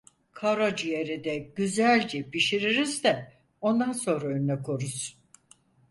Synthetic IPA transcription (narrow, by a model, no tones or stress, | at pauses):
kʰaɾad͡ʒijeɾid̪ɛɟyzælʲd͡ʒɛbiʃiɾiɾizd̪ɛ | o̞nd̪anso̞nɾaønynɛkʰo̞ɾuz̥